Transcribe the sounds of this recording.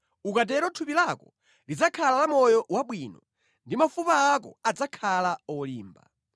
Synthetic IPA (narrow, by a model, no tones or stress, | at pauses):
ukat̬ɛɾɔtʰupilakɔ | lid͡zakʰalalamɔjɔwaɓwinɔ | ndimafupaːk̬ɔ̰ad͡zakʰalaɔliːmba̰